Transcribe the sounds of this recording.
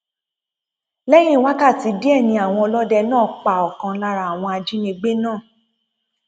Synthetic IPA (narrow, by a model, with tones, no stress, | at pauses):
lɛ˦j̃ĩ˦˨wa˦ka˦˨ti˨˧di˦ɛ˦˨nĩ˧a˨w̃ɔ̃˧ɔ˧lɔ˦dɛ˧nãː˦˨k͡pa˨ɔ˨kã˧la˧ɾa˧a˨w̃ɔ̃˧a˧d͡ʒi˦nĩ˧ɡ͡be˦nãː˦˨